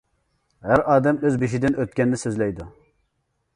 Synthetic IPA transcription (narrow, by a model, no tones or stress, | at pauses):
ɦæɾʔɑːd̪ɛmøzbiʃid̪ɪnøt̪̚kʲɛnːɪsøzlɛjd̪u